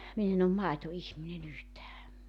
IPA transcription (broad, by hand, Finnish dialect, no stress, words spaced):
min en om mɑetoihminen yhtæː